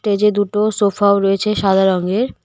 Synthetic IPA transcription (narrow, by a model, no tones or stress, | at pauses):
ʈed͡ʑed̪uʈosofaoɾoet͡ɕʰeʃad̪ʱaɾɔŋɡeɾ